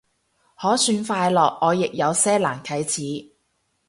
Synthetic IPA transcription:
hɔː˨˥syː˧nfaː˧jlɔː˨k̚ɔː˨˧jɪ˨k̚jɐ˨˧wsɛː˥laː˨˩nkʰɐ˨˥jt͡sʰiː˨˥

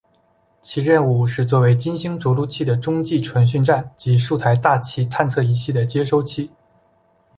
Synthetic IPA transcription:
t͡ɕʰi˧˥ɻə˥˧nu˥˧˩ʂɻ̩˥˧t͡swɔ˥˩we˧˥ɪt͡ɕi˥nɕi˥ŋʈ͡ʂu˧˥lu˥˧t͡ɕʰi˥˩d̪ə˩ʈ͡ʂʊ˥ŋt͡ɕi˥˩ʈ͡ʂʰwa˧˥nɕ̬y˥˧nʈ͡ʂa˥˩nt͡ɕi˧˥ʂu˥˩t̪ʰa˧˥ɪt̪a˥˧t͡ɕʰi˥t̪ʰa˥˧nt͡sʰɤ˥˩i˧˥ɕi˥˩d̪ə˩t͡ɕjɛ˥ʂo˥ʊt͡ɕʰi˥˩

